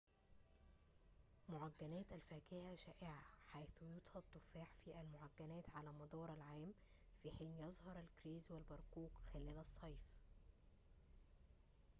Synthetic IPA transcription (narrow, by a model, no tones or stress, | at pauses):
moʕaɡːænæːt̪ælfæːkɪhæʃæːʔɪʕaħajθujʊt̪ˤhɑd̚t̪ˤːʊfaːħfiʔælmoʕaɡːænæːt̪ʕalæːmɑd̪ˤɑːɾˤælʕaːm | fiħiːnjɑzˤhɑɾˤælkɾiːzwælbɑɾˤkuːkxælæːlæsˤːɑjf